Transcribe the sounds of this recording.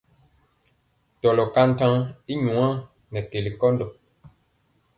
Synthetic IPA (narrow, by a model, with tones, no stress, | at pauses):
tɔ˨lɔ˨ka˦n̩˦tã˦i˦ɲu˨ŋã˦ | nɛ˨ke˨li˨kɔ˦n˦do˨